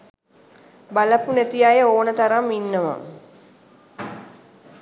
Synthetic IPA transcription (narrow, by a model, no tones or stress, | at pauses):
baləpunet̪ijajəoːnət̪aɾamːinːəʋə̰